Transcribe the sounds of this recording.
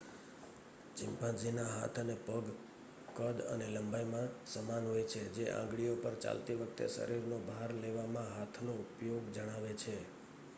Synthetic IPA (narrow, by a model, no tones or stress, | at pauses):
t͡ʃɪmpãd͡ʒinaɦa̰t̪ʰənepəɡ | kəd̪ə̰neləmbajmãsəmanɦojt͡ʃʰed͡ʒeʔã̰ŋɡɭijopəɾt͡ʃa̰lt̪iʋək̚ʰt̪ḛsə̰ɾiɾnobʱaɾleʋamãɦat̪ʰnoupjoɡd͡ʒəɽ̃aʋet͡ʃʰe